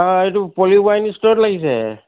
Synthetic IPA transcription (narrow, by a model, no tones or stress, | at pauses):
aetupɔlibajnistɔtlaɡisɛ̰